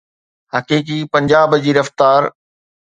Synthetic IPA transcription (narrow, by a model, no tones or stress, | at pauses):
hɐkiːk̬ipɐ̃ɲd͡ʑaːbd͡ʑiːɾɐft̪aːɾ